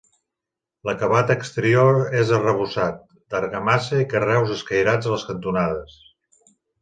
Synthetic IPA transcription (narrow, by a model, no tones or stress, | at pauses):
ləkəβat̪əːkst̪əɾioɾezərəβ̞usat̪̚ | d̪əɾɣəmasəikərɛwzəskəjɾad͡zələskənt̪unaðəs